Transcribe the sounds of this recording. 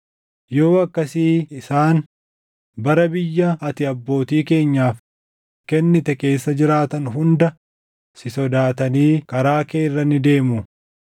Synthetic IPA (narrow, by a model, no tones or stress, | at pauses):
jo̞ːɐkːɐsiːɪsaːn | bɐɾɐbɪjːɐɐt̪ɪɐbːo̞ːt̪iːke̞ːɲːaːf | kɛnːɪt̪ɛke̞ːsːɐd͡ʒɪɾaːt̪ɐnɦʊnd̪ɐ | sɪsɔd̪aːt̪ɐniːkɐɾaːkeːrːɐnɪd̪e̞ːmʊ